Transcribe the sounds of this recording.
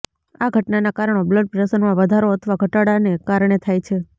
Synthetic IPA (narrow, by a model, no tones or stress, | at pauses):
aɡʱəʈnanakaɾəɳ̃obləɖ̚pɾesəɾmãʋəd̪ʱaɾoət̪ʰəʋaɡʱəʈaɽanekaɾɳ̃et̪ʰajt͡ʃʰe